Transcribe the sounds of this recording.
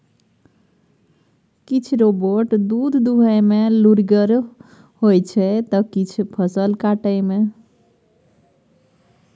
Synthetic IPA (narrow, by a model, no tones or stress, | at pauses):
kit͡ʃʰɾoboʈd̪ud̪ʱd̪uɦəjmeluɾɡəɾ | hojt͡ʃʰɛt̪əkit͡ʃʰpʰəsəlkaʈəɪme